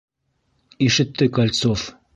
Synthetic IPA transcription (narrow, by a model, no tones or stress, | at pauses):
iʃɘ̆t̪ːɘkɐlʲt̪sof